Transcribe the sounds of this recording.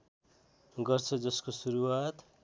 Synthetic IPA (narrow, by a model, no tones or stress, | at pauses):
ɡʌrt͡sʰʌd͡zʌskosuɾuwat̪